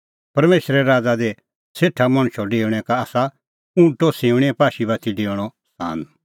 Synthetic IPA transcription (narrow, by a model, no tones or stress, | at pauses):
pɐɾmeːʃɾɛɾaːd͡zad̪ɛ | seːʈʰːamɐ̃ɽ̃ʊ̃ʃɔɖeːʋɽ̃ɛ̃kaːsa | ũʈoseːʊɽ̃ɛ̃paːʃibat̪ʰiɖeːɽ̃ɔ | sa̰ːn